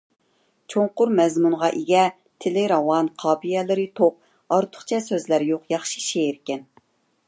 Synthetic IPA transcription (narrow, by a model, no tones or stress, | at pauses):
t͡ʃʰoɴqʊɾmɛzmunʁɑʔeɡʲɛ | t̪ʰɪlɪɾɑwɑnqʰɑːpʰijɛlɪɾɪt̪ʰop̚ | ɑɾt̪ʰʊ̥χt͡ʃʰɛsøzlæɾjoqjɑχʃi̥ʃeɾkʲɛn